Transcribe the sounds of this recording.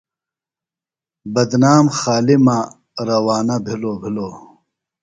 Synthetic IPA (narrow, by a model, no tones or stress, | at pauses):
bɐd̪naːmxaːlima | ɾɐwaːnɐbʱiloːbʱiloː